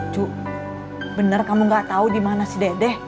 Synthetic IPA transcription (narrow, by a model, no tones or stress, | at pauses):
t͡ʃu | bənərkamuŋɡaʔt̪audimanasədedɛh